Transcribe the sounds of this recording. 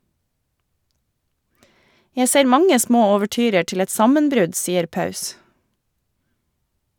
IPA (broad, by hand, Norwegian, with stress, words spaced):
ˈjæ ˈseːɾ ˈmɑŋə ˈsmoː oːʋəˈʈyːɾə ˈʈɪl ˈɛt ˈsɑmənˌbɾʉd ˈsiːəɾ ˈpɑʉs